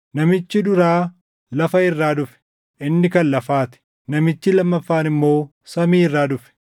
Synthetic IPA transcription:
nɐmɪt͡ʃːɪd̪ʊɾaː | lɐfɐɪrːaːd̪ʊfɛ̥ | ʔɪnːɪkɐnlɐfaːt̪ɪ̥ | nɐmɪt͡ʃːɪlɐmːɐfːaːnɪmːo̞ː | sɐmiːɪrːaːd̪ʊfɛ̥

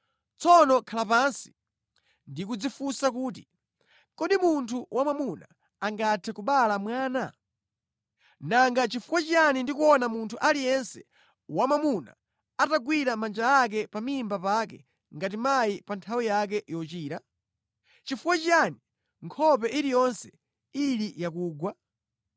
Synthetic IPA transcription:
t͡sɔnɔkʰalapansi̥ | ndikud͡zifusak̬uːt̬i | kɔɗimuntʰuwamamuna̰ː | ŋɡatʰɛkuɓalamwaːna | naŋɡat͡ʃifuwat͡ʃianindikuɔnamuntʰuʔalijɛnsɛ̥ | wamamuna̰ | ataɡwiɾamand͡ʒaak̬ɛpamimbapakɛ̰ | ŋɡatimaipantʰawijakɛʔjɔt͡ʃiːɾa | t͡ʃifuwat͡ʃani | ŋkʰɔp̬ɛʔiɾijɔnsɛ̥ | iɾijakuːɡwa

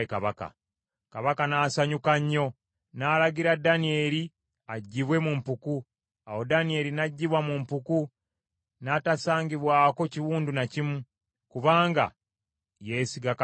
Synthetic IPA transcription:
kaβaka̰ | kaβakanaːsaɲukaɲːo̞ | naːlaɡiɾadanie̞ːɾi | aɟːiβwe̞mumpuku | awo̞danie̞ːɾinaɟːiβwamumpuku | natasaːŋɡiβwaːko̞ciwuːndunacimu | kuβaːŋɡa̰ | jeːsiɡak

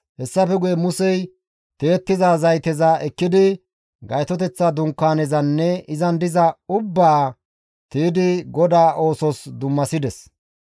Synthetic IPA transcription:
hɛsːɐfɛɡʊjɛmʊsɛj | t̪e̞ːt̪ːɪzaːzɐjt̪ɛzaʔɛkːɪd̪ɪ | ɡɐjt̪ɔt̪̬ɛt͡sːad̪ʊŋkːaːnɛzɐnːɛɪzɐnd̪ɪzɐʊbːaː | t̪iːd̪ɪɡɔd̪aːʔo̞ːsɔsd̪ʊmːɐsɪd̪ɛs

